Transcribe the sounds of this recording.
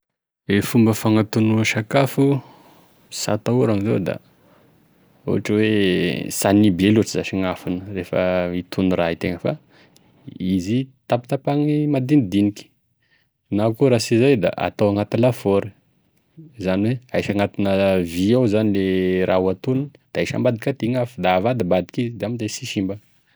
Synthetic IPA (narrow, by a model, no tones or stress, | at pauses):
efumbəfaŋat̪unuʃakafu | sa̰t̪auɾaŋizḛwd̪a̰ | ṵaʈ͡ʂəwesanibeluaʈ͡ʂizaʃiŋafinərefə̰it̪ʰunurait̪eŋəfa̰ | izit̪apt̪apaŋimad̪inid̪iniki̥ | nakuɾasizajd̪a̰ʔa̰t̪awaŋat̪ilafoɾə | zaniweajʃaŋat̪inəviawzanileɾʔaɦuat̪unund̪̥aaʃa̰mbad̪ikʲat̪iŋafud̪aːvad̪ibad̪i̥kizid̪eamizajsiʃimbə